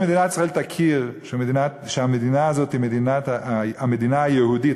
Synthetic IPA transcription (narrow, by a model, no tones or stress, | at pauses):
medinatisʁaɛltakʰiʁʃmdinaʃamedinaazotimedinatamedinaːjəhudit